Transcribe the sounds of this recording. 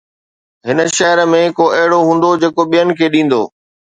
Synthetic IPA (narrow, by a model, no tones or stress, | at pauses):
ɦɪnə̆ʃɐɦəɾəmẽkoɐɦɪɽoɦũːn̆d̪od͡ʑeːkoɓijənɪ̆kʰeːɗĩːn̆d̪o̰ː